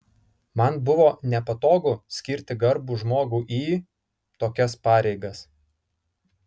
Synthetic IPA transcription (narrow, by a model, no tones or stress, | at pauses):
mɐnbʊʋoːnʲɛpɐt̪oːɡʊsʲkʲɪɾʲt̪ʲɪɡɐɾbuːʒmoːɡuːʔiː | t̪oːkʲɛspɑːɾʲɛɪɡɐs